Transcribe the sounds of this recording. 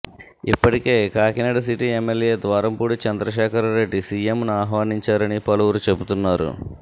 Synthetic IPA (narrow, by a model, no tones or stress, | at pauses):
ipːɐʈike̞ːkaːkinɐɽɐs̬iʈiemːeljeːd̪ʋaːɾɐmpuːɽut͡ʃɐnd̪ɾɐʃ̬ɛːkʰɐɾɾe̞ɖːisiemnuaːɦʋaːniɲt͡ʃaːɾɐnipɐluʋuɾut͡ʃe̞but̪unːaːɾṵ